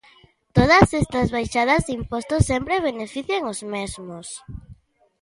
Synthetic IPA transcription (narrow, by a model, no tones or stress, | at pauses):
t̪oð̞asɛst̪ɐzβajʃað̞ɐzðimpost̪ʊsempɾeβ̞enefiθjaŋʊzmezmʊs